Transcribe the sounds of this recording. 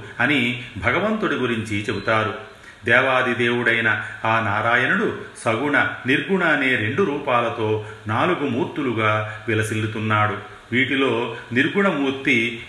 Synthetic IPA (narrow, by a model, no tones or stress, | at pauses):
ɐnibʱɐɡɐʋɐnt̪uɽiɡuɾiɲt͡ʃit͡ʃe̞but̪aːɾu | d̪ɛːʋaːd̪id̪e̞ːwuɽɐjnɐaːnaːɾaːjɐnuɽusɐɡuɳɐniɾɡuɳaːne̞ːɾe̞ɳɖuɾuːpaːlɐt̪o̞ːnaːluɡumuːɾt̪uluɡaːʋilɐsilːut̪unːaːɽu | ʋiːʈilo̞ːniɾɡuɳɐmuːɾt̪i